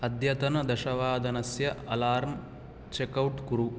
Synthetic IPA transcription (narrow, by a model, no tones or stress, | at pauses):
ɐd̪ʱjɐt̪ɐnɐd̪ɐʃɐʋaːd̪ʱɐnɐsjɐɐlaːɾm | t͡ʃekɐwʈkuɾu